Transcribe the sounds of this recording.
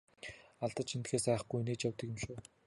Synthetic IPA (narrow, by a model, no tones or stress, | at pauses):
aɮt̪ə̆t͡ɕʰint̪xeːsæːχɡujneːt͡ɕjawt̪ə̆kʲjə̆mʃoː